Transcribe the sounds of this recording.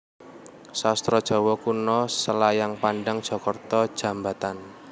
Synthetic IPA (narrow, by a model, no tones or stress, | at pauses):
sast̪ɾɔd̥ʒ̥ɔ̤wɔkunɔsəlajaŋpanɖaŋd̥ʒ̥ɔ̤kɔrt̪ɔd̥ʒ̥a̤mbat̪an